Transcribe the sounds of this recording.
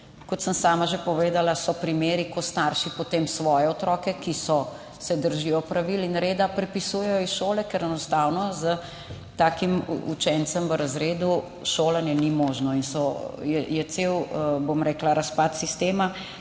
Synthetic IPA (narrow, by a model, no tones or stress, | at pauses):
kɔt̪səmsaːmaʒepɔʋeːd̪alasɔpɾimeːɾikɔst̪aːɾʃipɔt̪eːmsʋɔːjɛɔt̪ɾɔːkɛkisɔ | sɛd̪əɾʒijɔpɾaʋilinɾeːd̪apɾɛpisujɛjɔisʃoːlɛkɛɾɛnɔst̪aːwnɔzə | t̪aːkimṵt͡ʃɛnt̪səmʋəɾazɾeːd̪u | ʃoːlanjɛnimɔːʒnɔinsɔjɛjɛt̪sewbomɾɛːklaɾaspat̪sist̪eːma